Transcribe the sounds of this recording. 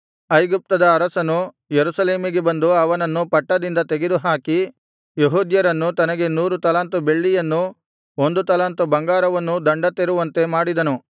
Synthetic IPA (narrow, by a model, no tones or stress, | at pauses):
ɐjɡup̚t̪ɐd̪ɐːɾɐsɐnu | jeɾusɐleːmiɡe̞bɐnd̪uɐʋɐnɐnːupɐʈːɐd̪ind̪ɐt̪eɡed̪uɦaːki | jeɦuːd̪jɐɾɐnːut̪ɐnɐɡe̞nuːɾut̪ɐlaːnt̪ube̞ɭːijɐnːu | o̞nd̪ut̪ɐlaːnt̪ubɐŋɡaːɾɐʋɐnːud̪ɐɳɖɐt̪ːeɾuʋɐnt̪e̞maːɽid̪ɐnu